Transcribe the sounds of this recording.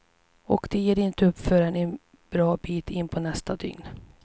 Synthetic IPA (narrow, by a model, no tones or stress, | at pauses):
ɔ̰kd̪̥ɛjeːɾɪnt̪əɵpːfœːɾɛnɛn | b̥ɾɑːbiːt̪ʰɪnːpʰɔnɛst̪ad̪ʏ̰ŋn